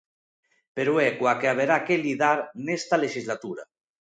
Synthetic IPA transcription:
peɾuɛkwakeaβ̞eɾakelið̞aɾnest̪aleʃizlat̪uɾa̰

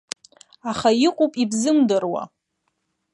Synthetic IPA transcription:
aχaiqʷʼupʼibzɨmdɨrwa̰

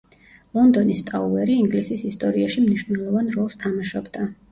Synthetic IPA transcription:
lˠɔnd̪ɔnist̪ʼauɛɾiiŋɡlisisist̪ʼɔɾiaʃimniʃvnɛlˠɔvanɾɔlˠst̪ʰamaʃɔbd̪a

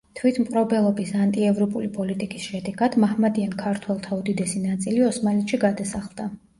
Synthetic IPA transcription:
t̪ʰwit̪ʰmqʼɾɔbɛlˠɔbisant̪ʼiɛvɾɔpʼulipʼɔlit̪ʼikʼisʃɛd̪ɛɡad̪̥mahmad̪iankʰaɾt̪ʰwɛlˠt̪ʰaud̪id̪ɛsinat̪sʼiliɔsmalɛt̪ʼʃiɡad̪asaχlˠd̪a

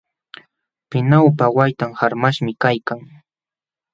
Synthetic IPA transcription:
pɪnawpawajt̪amhaɾmaʃmɪkajkaŋ

